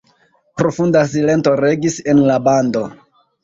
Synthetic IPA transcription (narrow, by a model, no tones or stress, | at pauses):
pɾo̞fundasile̞nto̞ɾe̞ɡise̞nlabando̞